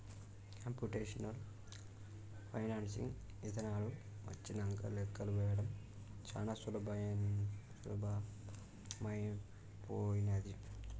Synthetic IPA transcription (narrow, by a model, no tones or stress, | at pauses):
kaːmpjuʈeːʂɐnɐl | pʰɐjnaːnsḭŋ | it̪ʰɐnaːlu | ʋɐ̰t͡ʃːinɐŋkɐ̰lɛkːɐluʋɛːjɐɽɐm | t͡ʃa̰ːnasulɐbʱɐ | sṵlɐbʱa | mɐjn | poːjined̪i